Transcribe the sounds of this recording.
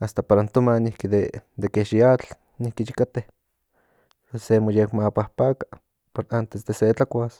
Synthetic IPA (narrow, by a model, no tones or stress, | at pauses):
ast̪apaɾant̪omanihkid̪ed̪ekeʃiat͡ɬ | nihkiʃikat̪eh | esemojekmapahpakḁ | poɾant̪esd̪eset͡ɬakʷas